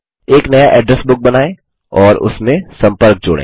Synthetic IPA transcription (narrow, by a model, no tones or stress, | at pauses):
eːknɐjaʔɛːɖɾɛsbʊk̚bɐnaːẽ | ɔːɾʊ̰smẽsɐ̃mpəɾk̚d͡ʒʊ̰ːɽḛː